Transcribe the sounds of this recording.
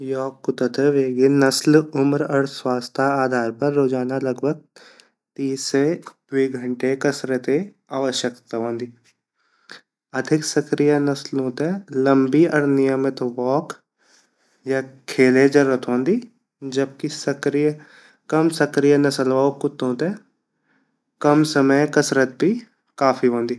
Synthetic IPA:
jɔːkːʊt̪ət̪eʋeːɡenɐslʊmɾɔːɾswaːst̪ʰaaːd̪ʱaːɾpɐɾːoːd͡ʒaːnalɐɡbʱəɡ̚ | t̪iːse | wiːɡʱəɳʈekɐsɾet̪e | aːʋəʃjəkt̪aɦõːnd̪iː | ɐd̪ʱɪksəkɾijənɐslɦõːt̪eləmbiɔɾnɪjəmɪt̪ʋɔːk | jakʰeːled͡ʒəɾːət̪ʰõːnd̪iː | d͡ʒəb̚kisəkɾijə | kɐmsəkɾijənɐsəlʋaːokʊt̪õːt̪e | kɐmsəməjkɐsɾət̪̚bʱi | kaːfʰiɦõːnd̪iː

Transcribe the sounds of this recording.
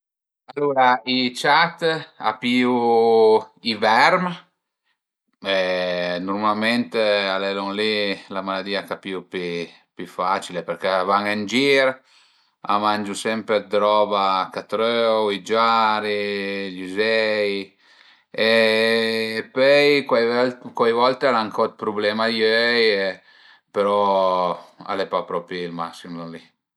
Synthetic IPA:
alːuɾait͡ʃat̪a̰piu | ivɛɾm | ɛnuɾmalmɛnt̪alɛlɔŋlilamalad̪iːakapiupi | pyfat͡ʃilepɛɾkɛvaŋand͡ʒiɾ | a̰mand͡ʒusɛmped̪ɾɔbakat̪ɾøwid͡ʒaɾiʎuzɛj | eː | pøjkwajvkwajvɔlt̪alaŋkʰɔt̪̚pɾublɛmajøje | peɾɔ | a̰lepapɾɔpilmasimluli

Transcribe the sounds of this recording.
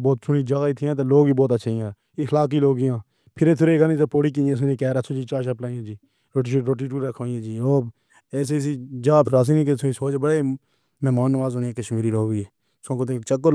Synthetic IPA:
boːt̪sʰʊɳiːd͡ʒaːɡaːiːt̪ʰɪjãːt̪eːloːɡiːboːt̪əːʃʰːɪjãː | iːxlaːk̬iːloːɡɪjãː | pʰɪɾeːt̪ʰʊɾeːɡənĩːt̪eːpoːɽiːk̬iːãːs̬ʊnĩːkɛːɾaːsʰõːd͡ʒiːt͡ʃaːʃəplaːjãːd͡ʒiː | ɾoːʈiɾoːʈiːʈ̬uːɾəkʰːãːĩãːd͡ʒiːoː | eːs̬eːs̬iːd͡ʒaːpɾaːs̬iːnĩkesʰʊĩsoːd͡ʒbəɽeː | mɛːmaːnʋaːzoːnieːkəʃmiːɾiːɾoːiːeː | sõːkot̪eːt͡ʃəkːo

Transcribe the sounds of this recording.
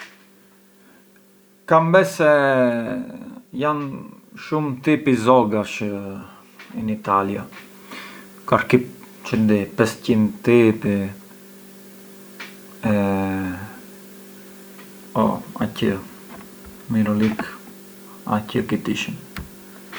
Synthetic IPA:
kambɛsɛ | jan | ʃumt̪ipizɔɡaʃ | init̪alja | kaɾkip | t͡ʃənd̪ipɛscint̪ipi | ɛ | ɔ̰a̰cə | miɾɔlik | a̰cəkit̪iʃən

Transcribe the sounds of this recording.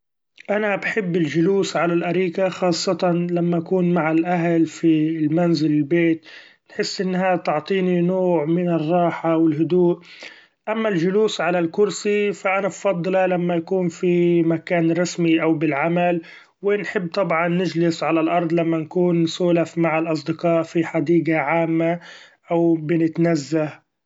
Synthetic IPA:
ʔanabħɪbːɪlʒʊluːsʕalalʔaɾiːkaxɑːsˤːɑt̪ɑnlamːaʔakuːnmaʕalʔaɦlfilmanzɪlɪlbeːt̪ | nħɪsːʔɪnːhat̪ʊʕt̪ˤiːninoːʕmɪnɪrˤːɑːħawɪlɦʊd̪uːʔ | ʔamːalʒʊluːsʕalalkʊɾsifaʔanabfɑd̪ˤːɑlɑlamːajakuːnfimakaːnɾˤɑsmiʔawbɪlʕamal | wɪnħɪbːt̪ˤɑbʕɑnːɪd͡ʒlɪsʕalalʔɑɾˤd̪ˤlamːankuːnsuːlafmaʕɪlʔɑs̬ˤd̪ɪqɑːʔfiħad̪iːɡaʕaːmːaʔawbɪnɪt̪nazːah

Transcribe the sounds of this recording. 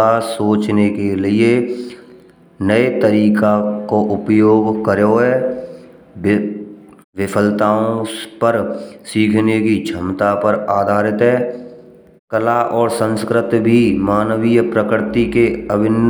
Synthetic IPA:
asoːt͡ʃnekelɪe | nəet̪əɾiːkakoʔʊpjoːɡkəɾjoɦɛː | ʋɪpʰəlt̪aːõpəɾsiːkʰnekid͡ʒʱəmt̪apəɾaːd̪ʱaːɾɪt̪ɦɛː | kəlaʔɔːɾsə̃nskɾɪt̪bʱimaːnwijpɾəkɪɾt̪ikeəbɪn

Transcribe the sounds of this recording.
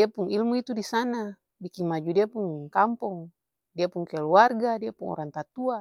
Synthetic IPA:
diapuŋilmuit̪udisana | bikiŋmad͡ʒudiapuŋkampɔŋ | diapuŋkɛluarɡadiapuŋɔ̰ɾaŋt̪at̪ua

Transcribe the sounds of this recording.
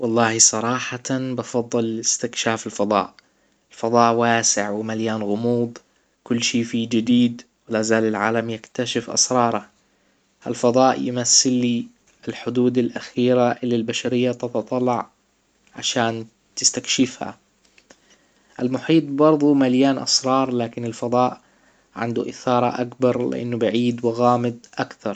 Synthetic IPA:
wɑlˤːɑːhisˤɑɾˤɑːħabɑfɑd̪ˤːɨlɪst̪ɪkʃaːfalfɑd̪ˤɑ̰ːʔ | ɪlfɑd̪ˤɑːʔwaːsɪʕwɪmaljaːnɣʊmuːd̪ˤ | kʊlːʃiːfiːd͡ʒɪd̪iːd̪ | wɪlazaːlɪlʕa̰ːlamjɪkt̪aʃɪfʔɑ̰sɾˤɑːɾˤɑ | ʔa̰lfɑd̪ˤɑːʔjɪmasːɪlːi | ɪlħʊd̪uːd̪alʔaxiːɾaʔɪlːilbaʃaɾɪjːat̪ɑt̪ɑt̪ˤɑlːɑʕ | ʕa̰ʃaːn | t̪ɪ̥st̪akʃɪfha̰ | ʔalmʊħiːt̪̚ˤbɑɾˤðˤumaljaːnʔɑ̰sɾˤɑːɾˤlaːkɪnɪlfɑd̪ˤɑːʔ | ʕɪ̰nd̪uʔɪ̰θɑːɾˤɑʔakbɑɾˤlɪ̰ʔa̰nːʊbɪʕiːd̪wɪɣaːmɪd̪ʔakθɑɾˤ

